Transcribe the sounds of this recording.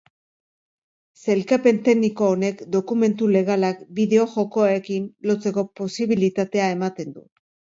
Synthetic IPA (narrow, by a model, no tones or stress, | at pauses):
se̞lkape̞nt̪e̞ɣniko̞ːne̞kd̪o̞kume̞nt̪ule̞ɣ̞alakbiðe̞o̞ʝo̞ko̞aekinlo̞t͡se̞ko̞po̞siβilit̪at̪e̞ae̞mat̪e̞nd̪ṵ